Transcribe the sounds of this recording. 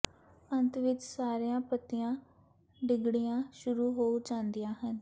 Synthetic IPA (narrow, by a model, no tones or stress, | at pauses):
ənt̪ʋɪt͡ʃsaːɾejãːpət̪ːɪjãː | ɖɪɡɽijãːʃʊɾuːɦoːud͡ʒãːnd̪ijãːɦən